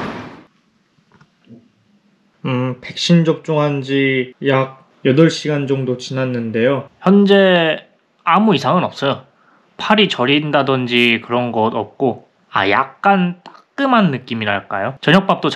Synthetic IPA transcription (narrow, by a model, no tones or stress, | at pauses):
ɯpe̞k̚ɕ͈ind͡ʑʌp̚t͡ɕ͈oŋɦand͡ʑijak̚ | jʌdʌɭɕ͈iɡand͡ʑʌŋdot͡ɕinanːɯnde̞joçjʌnd͡ʑe̞ | amuisʰaŋɯnʌp̚s͈ʌjo | pʰaɾit͡ɕʌɾindadʌnd͡ʑikɯɾʌnɡʌdʌp̚k͈o | a̰ja̰k̚k͈ant͈ḁk̚k͈ɯmanːɯk͈imiɾa̰ɭk͈a̰jot͡ɕʌɲjʌk̚p͈ap̚t͈ot͡ɕ